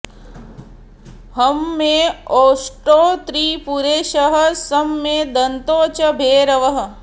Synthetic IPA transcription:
hɐmːẽoːsʈoːt̪ɾiːpuɾeːʃɐɦɐ̆sɐmːeːd̪ɐnt̪oːt͡ʃɐbʱeːɾɐʋɐɦɐ̆

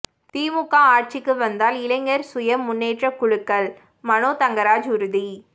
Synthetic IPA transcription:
t̪iːmʊkːaːaːʈ̚t͡ʃɪkːɯʋɐnd̪aːlɪlɐɪŋɡɐɾsʊjɐmːʊnːeːʈrɐkʊɻɯkːɐɭ | mɐnoːt̪ɐŋɡɐɾaːd͡ʒʊɾɯði

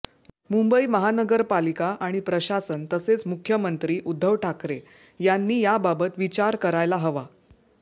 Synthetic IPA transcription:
mumbəiːməɦanəɡəɾpalikaʔaɽ̃ipɾəɕasənt̪əset͡smukʰjəmənt̪ɾiːʔud̪ʱːəʋʈʰakɾe | janːiːjababət̪ʋit͡ɕaɾkəɾajlaɦəʋa

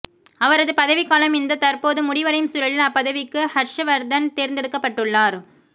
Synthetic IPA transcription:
ɐʋɐɾɐðɯpɐðɐʋɪkːaːlɐmɪnd̪ɐt̪ɐɾpoːðɯmʊɽɪʋɐɽɐjmsʊɾɐɭɪlɐpːɐðɐʋɪkːɯhɐɾʂɐʋɐɾd̪ɐnt̪eːɾɪnd̪ɛɽɯkːɐpːɐʈːɯɭːaːɾ

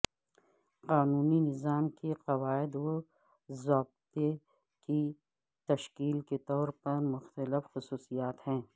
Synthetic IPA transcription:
qaːnuːninɪzaːmkeqɐwaːɪd̪o | zɔːb̚t̪e | ki | t̪ɐʃkiːlket̪ɔːɾpɐɾmʊxt̪əlɪfxʊsuːsijaːt̪hɛ̃ː

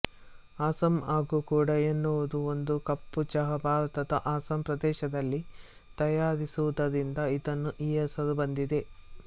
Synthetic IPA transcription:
aːsɐmaːɡukuːɽɐenːuʋɐd̪uo̞nd̪ukɐpːut͡ʃɐɦɐbʱaːɾɐt̪ɐd̪ɐʔaːsɐmpɾɐd̪ɛːʃɐd̪ɐlːi | t̪ɐjaːɾisuʋud̪ɐd̪ind̪ɐid̪ɐnːuʔijɐsɐlubɐnd̪id̪e̞

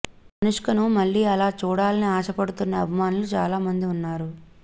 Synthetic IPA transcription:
ɐnuʂkɐnumɐɭːiːɐlaːt͡ʃuːɽaːlɐniaːʃɐpɐɽut̪unːɐːbʱimaːnulut͡ʃa̰ːlaːmɐnd̪iunːaːɾu

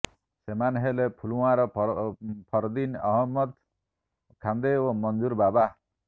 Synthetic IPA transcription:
semanɦelepʰuluwaɾɔ | pʰɔɾd̪inɔɦɔmːɔd̪ | kʰand̪eomɔnd͡ʒuɾbaba

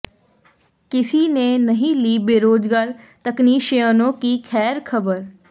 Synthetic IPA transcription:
kɪsinenəɦĩːliːbeːɾoːd͡ʒɡaːɾ | t̪əkniːʃjənõːkiːkʰɛːɾkʰəbəɾ

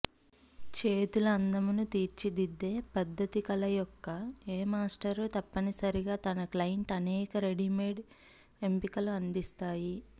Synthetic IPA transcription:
t͡ʃe̞ːt̪uluɐnd̪ɐmunut̪iːɾt͡ʃid̪id̪ːe̞ːpɐd̪ʱːɐt̪ikɐlɐjɔkːɐeːmaːsʈɐɾt̪ɐpːɐnisɐɾiɡaːt̪ɐnɐklɐjɐɳʈɐnɛːkɐɾe̞ɖimeːɖ | empikɐluɐnd̪ist̪aːji

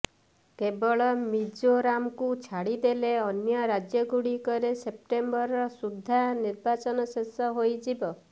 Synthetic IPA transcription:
kebɔɭɔmid͡ʒoɾamɔkut͡ʃʰaɽid̪eleɔnjɔɾad͡ʒjɔɡuɽikɔɾesep̚ʈembɔɾɔsud̪ʱːaniɾbat͡ʃɔnɔsesɔɦojd͡ʒibɔ

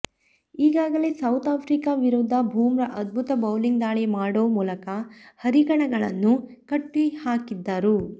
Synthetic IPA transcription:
iːɡaːɡɐleːsɐwt̪aːpʰɾiːkaːʋiɾud̪ʱːɐbʱuːmɾɐʔɐd̪̚bʱut̪ɐbɐwliŋɡd̪aːɭemaːɽoːmuːlɐkɐhɐɾiɡɐɳɐɡɐɭɐnːukɐʈːihaːkid̪ːɐɾu

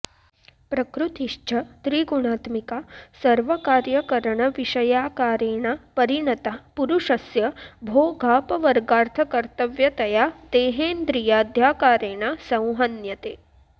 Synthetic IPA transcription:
pɾɐkɾut̪iʃt͡ʃʰɐt̪ɾiːɡuɳaːt̪mikasɐɾʋɐkaːɾjɐkɐɾɐɳɐʋiʃɐjaːkaːɾeːɳapɐɾiɳɐt̪apuɾuʂɐsjɐbʱoːɡʱaːpɐʋɐɾɡaːɾt̪ʰɐkɐɾt̪ɐʋjɐt̪ɐjaːt̪eːɦeːnd̪ɾijaːd̪ʱjaːkaːɾeːɳasɐ̃w̃ɦɐnjɐt̪eː

